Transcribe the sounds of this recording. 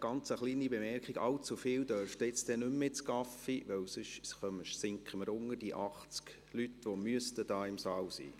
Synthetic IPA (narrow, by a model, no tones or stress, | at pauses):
ɡ̥ɑnt͡səχliːnibemɛrkχiɡɑ̰wt͡sufɪːwd̥œɾftɪt͡stɛnʉmːet͡skɑfiʋœwsʏʃsχœməʃsɪŋkχəməɾʊŋəd̥iʔɑχt͡sk | lytʋomyəstəd̥ɑːɪmsɑːwsḭː